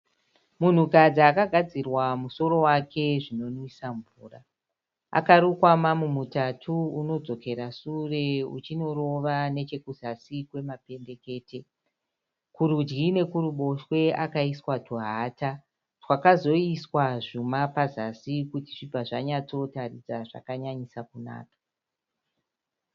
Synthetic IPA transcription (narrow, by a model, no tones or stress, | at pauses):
mun̤ukad͡ziakaɡʱad͡zirwamuso̞ɾo̞wake̞ʐino̞nisaɱvuːra | a̰kaɾukwamamumutatʰuuno̞d͡zo̞ke̞ɾasure̞ṵt͡ʃino̞ɾo̞ʋane̞t͡ʃe̞kuz̥asikwe̞mape̞nde̞ke̞ːte | kuɾud͡ʒɡine̞kuɾuɓo̞ʃwe̞akaiswatʰuɦaːta | rwakazo̞iswaʐumapazasikutiʐ̥ibʱaʐaɲat͡so̞tarid͡zaʐa̰kaɲaɲisakuna̰ːkḁ